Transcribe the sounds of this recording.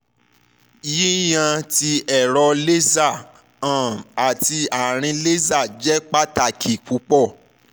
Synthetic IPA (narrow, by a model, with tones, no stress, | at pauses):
ji˦j̃ã˧ti˧ɛ˨ɾɔ˧le˦za˦˨ | ã˨a˨ti˧a˨ɾ̃ĩ˧le˦za˦˨d͡ʒɛ˦k͡pa˦ta˧˨kʰi˨k͡pu˧˦k͡pɔ˦˨